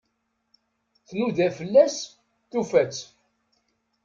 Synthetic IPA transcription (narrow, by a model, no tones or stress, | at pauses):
θnuðæfəlːæs | θufæt͡sː